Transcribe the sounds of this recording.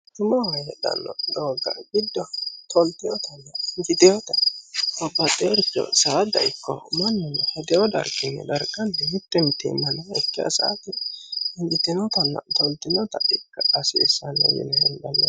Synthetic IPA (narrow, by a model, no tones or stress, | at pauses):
t̪ʊmɐwɐjɛd̪ɐ̰nːɔ̰d̪oːɡɐ̰ɡɪd̪ːɔt̪ʰɔlt̪ɪjɔt̪ɐnːɐɪŋɡɪt̪ɪjɔt̪ɐɐbːɐt̪ʼɛɾpːɔ̰saːd̪ɐ̰ɪkːɔ̰mɐnːɔnɛhɐd̪ɛjɔd̪ɐ̰ɾɡɪnːɛ̰d̪ɐɾɡɐnːɛmɪt̪ːɛmɪt̪ːɛ̰mɐnɐɛkːɪa̰sa̰t̪ːɪɪŋɡɪt̪ːɪnɔt̪ɐnːɐ̰t̪ɔlt̪ɪnɔt̪ɐɪkːɐɐsɛ̰ːsɐnːɛ̰wɪ̰lɛhɛnb̪ɐlːɐ